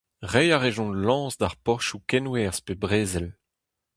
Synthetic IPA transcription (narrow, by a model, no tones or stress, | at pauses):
ʁɛjaʁeʒɔ̃nlɑ̃ːzdaʁpɔʁʃukɛnwɛːʁspebʁeːzɛl